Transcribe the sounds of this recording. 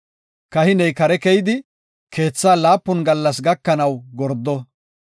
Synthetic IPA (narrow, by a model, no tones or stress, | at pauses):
kɐhɪnɛjkɐɾɛkɛjɪd̪ɪ | kʰe̞ːt͡sːaːlaːpːʊnɡɐlːɐs̬ɡɐkːɐnɐwɡɔɾd̪ːɔ